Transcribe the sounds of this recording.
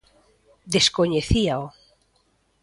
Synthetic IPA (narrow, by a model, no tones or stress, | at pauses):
d̪eskoɲeθiao